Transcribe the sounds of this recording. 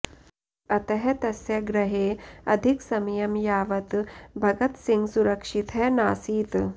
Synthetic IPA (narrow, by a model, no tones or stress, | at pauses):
ɐt̪ɐɦɐt̪ɐsjɐɡɾɐɦeːɐd̪ʱiksɐmjɐmjaːʋɐt̪bʱɐɡɐt̪siŋɡsuɾɐkʂit̪ʰɐnaːsiːt̪